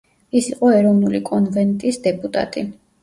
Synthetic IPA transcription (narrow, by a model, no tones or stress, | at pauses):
isiqʼɔɛɾɔvnulikʼɔnvɛnt̪ʼisd̪ɛpʼut̪ʼa̰t̪ʼi